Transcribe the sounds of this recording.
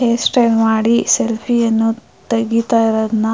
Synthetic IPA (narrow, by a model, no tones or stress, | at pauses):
eːsʈelmaːɽiselpʰijɐnːu | t̪ɐɡit̪aːjiɾod̪ɐnɐ